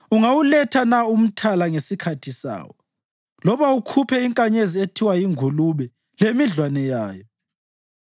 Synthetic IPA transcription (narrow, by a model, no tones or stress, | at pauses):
uŋawulɛtʰanaum̩tʰalaŋesikʰatʰisa̰ːwɔ | lɔβaukʰupʰɛiŋkʼaɲezietʰiwajiŋʱuluβɛ | lemiɮwanɛja̰ːjɔ